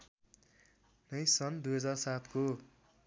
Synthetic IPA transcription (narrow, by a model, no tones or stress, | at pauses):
nʌjsʌnd̪ujɦʌd͡zarsat̪ko